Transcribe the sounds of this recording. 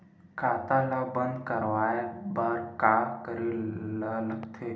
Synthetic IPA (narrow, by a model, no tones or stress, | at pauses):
kʰat̪alabənd̪kəɾʋajbaːɾkakəɾilaləɡt̪ʰe